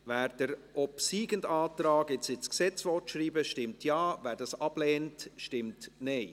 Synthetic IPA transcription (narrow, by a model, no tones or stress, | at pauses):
væːɾd̥əɾʔɔpsiːɡəndɑːtɾɑːkɪt͡sɪt͡sksɛt͡sʋɔtʃɾiːbəʃtɪmtjɑːvæːɾdɑsɑb̥lɛːntʃtɪmtnɛɪ